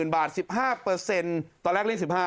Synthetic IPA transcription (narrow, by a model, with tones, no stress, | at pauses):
nbaː˨˩t̪̚si˨˩p̚haː˥˩pɤː˧se˧nt̪ɔː˧lɛː˥˩kli˥˩ŋsi˨˩p̚haː˥˩